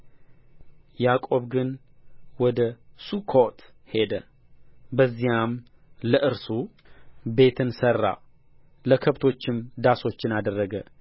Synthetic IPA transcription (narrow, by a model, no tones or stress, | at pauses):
jakʼo̞βɡɨn | wɔd̪əsukʰot̪he̞d̪ə | bəzːijam | ləʔɨɾsu | be̞t̪ʰɨnsərːa̰ | ləkʰəβt̪ʰo̞t͡ʃːɪmd̪aso̞t͡ʃːɪnad̪ərːəɡə